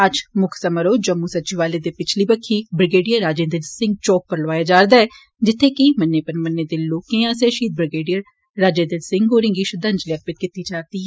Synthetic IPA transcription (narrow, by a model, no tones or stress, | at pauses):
əd͡ʒmʊkʰsəməɾoːd͡ʒəmːuːsətːt͡ʃiʋaːleːd̪eːpɪt͡ʃʰliːbəkʰːiːbɾɪɡeːɖijəɾaːd͡ʒẽːnd̪əlsɪ̃ŋɡ̚t͡ʃɔːppəɾləʋaːjaːd͡ʒaːɾd̪aːɛː | d͡ʒɪt̪ʰːeːkimənːeːpənmənːeːd̪eːloːkẽːãːseːʃiːt̪̚bɾɪɡeːɖijəɾ | ɾaːd͡ʒẽːnd̪əlsɪ̃ŋɡoːɾɪ̃ŋɡiːʃəd̪ə̃nd͡ʒliək̪̚pɪt̪kɪt̪iːd͡ʒaːt̪iː